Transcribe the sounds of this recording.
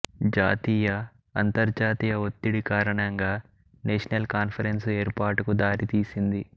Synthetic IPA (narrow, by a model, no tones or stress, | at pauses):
d͡ʒaːt̪iːjɐ | ɐnt̪ɐɾd͡ʒaːt̪iːjɐot̪ːiɽikaːɾɐɳɐŋɡaː | neːʃɐnɐlkaːnpʰɐɾenseːɾpaːʈukud̪aːɾit̪iːsind̪i